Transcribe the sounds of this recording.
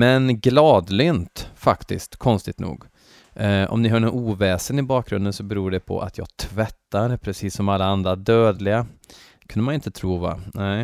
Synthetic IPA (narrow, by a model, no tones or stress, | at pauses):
mɛnɡlɑːd̪lʏːnt̪fakt̪ɪ̰skt̪kʰɔnst̪ɪt̪nṵːɡ | ʔɔ̰mnɪɦɑːɳɔnuːvɛːsənɪbɑːk̚ɡɾɵnd̪ənsɔbɛɾuːɖɛpʰɔ̰ʔa̰t̪ʰjɑ̰ːɡt̪ʰvɛt̪ːaɾpʰɾɛsiːsːɔmalːaand̪ɾad̪øːd̪lɪɡa | kʰɵnd̪əmanɪnt̪ət̪ʰɾuːva̰nɛ